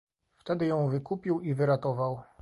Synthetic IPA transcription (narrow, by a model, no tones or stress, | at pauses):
ft̪ɛd̪ɘjɔ̃w̃vɘkupʲiwivɘɾat̪ɔvaw